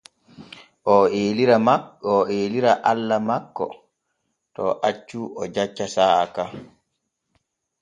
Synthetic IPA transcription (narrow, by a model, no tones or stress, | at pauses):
ʔɔeːliɾamakɔeːliɾaʔalːamakːɔ̰ | tɔʔat͡ʃːuɔd͡ʒat͡ʃːasaa̰ka